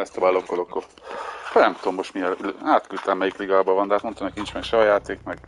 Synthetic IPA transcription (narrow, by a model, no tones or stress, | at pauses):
ɛst̪obaːlokːolokːo | nɛmt̪oːmːo̞ʃt̪miɛllaːt̪kylt̪ɛmmɛjikliɡaːbɒvɒnd̪aːt̪mont̪ɒmɛkint͡ʃmɛkʃɛɦɒjaːt̪eːkmɛɡ